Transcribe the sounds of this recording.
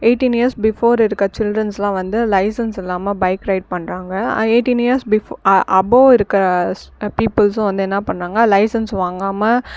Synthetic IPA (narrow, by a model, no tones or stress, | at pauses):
eːʈːiniɐɾsbɪfoːɾɪɾɯkːɐt͡ʃɪlɖɾɐnslãːʋɐnd̪ɯlɐɪsɐnsɛlːaːmɐbɐɪkɾɐɪɖ̚pɐɳːɾaːŋɡɐeːʈːinijɐɾsbɪʔɐboːɪɾɯkːɪɾɐpiːpːɪlsʊ̃ʋɐnd̪ɯɛnːɐpɐɳːɾaːŋɡɐlɐɪsɐnsʋaːŋɡaːmɐ